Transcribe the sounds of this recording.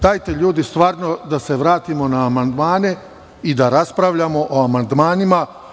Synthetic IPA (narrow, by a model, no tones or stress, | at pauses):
d̪ajt̪e̞ʎuːd̪ist̪ʋaːɾnod̪aseʋɾaːt̪imo̞naːmand̪maːne̞ | id̪aɾaspɾaʋʎamo̞ʔoamand̪maːnima